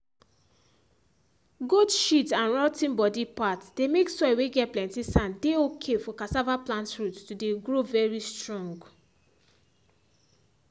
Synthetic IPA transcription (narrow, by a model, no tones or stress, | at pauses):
ɡodʃitãnɹɔtĩnbɔdipatd̥emeksɔweɡɛt̚plɛ̃ntisãndeokʰefɔkasavaplãntɹutːudeɡɹovɛɹistɹɔ̃ŋɡ